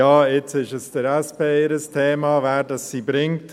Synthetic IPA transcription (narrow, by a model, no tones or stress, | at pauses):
jɑːɪt͡sɪʃəsd̥əɾɛspʰeːɪɾəstʰɛːmɑːvæːɾdɑsːibɾɪŋt